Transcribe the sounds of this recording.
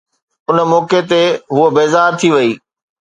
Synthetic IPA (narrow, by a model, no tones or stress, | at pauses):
ʊnəmɔːket̪eɦuəbeːzaːɾt̪ʰiʋɐiː